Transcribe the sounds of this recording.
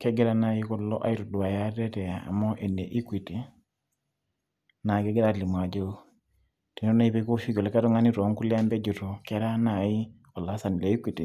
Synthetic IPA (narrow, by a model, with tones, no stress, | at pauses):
ke˦ɡe˦ɾa˦na˨ji˦ko˦lo˦ʔa̰˦i˦ɾu˨du˨wa˨ja˦te˦tɛ˨ja˨a̰˨mo˦ʔe˨nde˨ʔi˦kʷi˨ti | na˨ke˦ɡɛ˦ɾa˦tli˨m˨a˨d͡ʒo˦ | te˨no˦na˦i˦pe˦ko˦fi˦ko˨le˦ka˦to˦ŋa˦ni˦ɾo˨˦ŋku˦lɛ˦a˦mbe˦d͡ʒu˨to˨ke˦ɾa˦na˨ji˦ | o˨la˦sa˨ni˨le˨i˦kʷi˨ti˨